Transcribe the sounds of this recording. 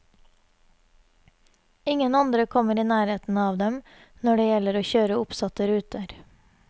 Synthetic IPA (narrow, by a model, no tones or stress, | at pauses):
ɪŋənɑnd̪ɾəkʰɔməɾiːnæːɾeːt̪n̩ɑːʋd̪ɛm | nɔɖeːjɛləɾoːçøːɾəʊpsɑt̪əɾʉːt̪əɾ